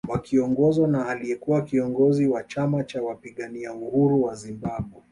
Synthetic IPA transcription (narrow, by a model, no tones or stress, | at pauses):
wakiɔŋɡɔzwanaːliɛkuwakiɔŋɡɔziwat͡ʃamat͡ʃawapiɠaniauhuɾuwazimbaɓwɛ